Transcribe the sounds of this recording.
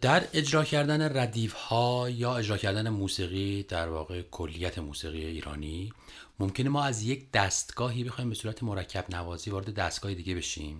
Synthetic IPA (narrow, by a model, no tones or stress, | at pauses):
d̪̥æɾe̞d͡ʒɾɒːcʰæɾd̪æne̞ræd̪iːfhɒːjɒːe̞d͡ʒɾɒːcʰæɾd̪ænemuːsiːɣiːd̪̥æɾvɒːɣe̞kʰolːijæt̪ʰemuːsiːɣijeiːɾɒ̰ːniːmomcʰenemɒːæzje̞cʰd̪̥æst̪ɡ̥ɒːɦiːbe̞xɒːimbe̞suːɾæt̪ʰemo̞ɾæcʰːæbnævɒːziːvɒːɾe̞d̪e̞d̪æst̪ɡ̥ɒːhed̪iːɡʲe̞be̞ʃiːm